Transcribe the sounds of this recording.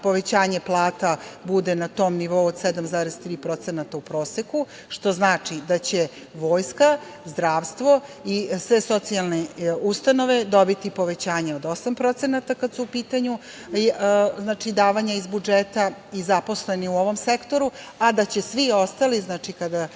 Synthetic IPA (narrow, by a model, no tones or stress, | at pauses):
po̞ʋe̞t͡ɕaːɲe̞plˠaːt̪abud̪enat̪o̞ːmniʋo̞uod̪sɛd̪amzaːɾezt̪ɾiːpɾo̞t̪senat̪aupɾo̞ːseku | ʃt̪o̞znaːt͡ʂid̪at͡ɕe̞ | ʋo̞ːjska | zd̪ɾaːʋst̪ʋo̞isʋe̞so̞t̪sialˠneust̪ano̞ʋe̞d̪o̞bit̪ipo̞ʋe̞t͡ɕaːɲeod̪o̞sampɾo̞t̪senat̪akad̪suːpiːt̪aɲu | znaːt͡ʃid̪aːʋaɲaizbud͡ʒet̪aizapo̞sle̞niuoʋo̞msekt̪o̞ɾu | ad̪at͡ɕe̞sʋio̞st̪aliznaːt͡ʂikad̪a